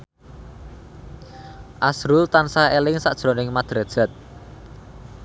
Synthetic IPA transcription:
ʔasɾʊlt̪ansaelɪŋsa̰ʔd̥ʒ̥ɾonɪŋmad̪̥ɾa̤d̥ʒ̥a̤t̪̚

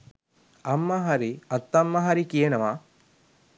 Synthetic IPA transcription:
ɐmːəɦaɾiɐt̪ːɐmːɐɦaɾikijenɐʋa

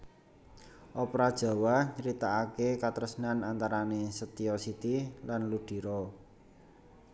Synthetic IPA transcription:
ʔɔpɾad̥ʒ̥a̤waɲəɾit̪aːkekat̪əɾəsnanant̪aɾanesət̪iɔsit̪ilanluɖ̥i̤ɾɔ

